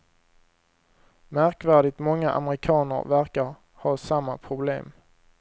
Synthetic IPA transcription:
mæɾkvæːɖɪt̪mɔŋːaʔa̰mɾɪkʰɑːnə̰ɾvæɾkaɾ | hɑːsamːapʰɾʊblḛːm

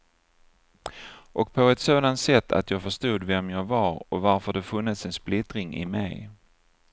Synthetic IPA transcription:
ʔɔk̚pʰɔɛt̪soːd̪ant̪sɛt̪ʰːa̰t̪jɑːɡfœʂt̪uːd̪vɛmjɑːɡvaɾɔvaɾfəɖɛfɵnːət̪sɛnsplɪt̪ɾɪŋɪ̰mɛ̰j

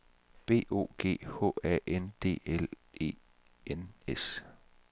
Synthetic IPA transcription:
b̥e̝̰ːo̝̰ːɡ̥e̝̰ːhɔ̰ːæʔend̥e̝̰ːel | e̝̰ː | enes

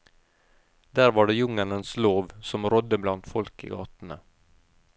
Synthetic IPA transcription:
d̪̥æːɾvɑːɖɛjɵŋːaɳənsloːvsɔmɾɔd̪ːəblant̪fɔlkɪ̰ɡɑːt̪nə̰

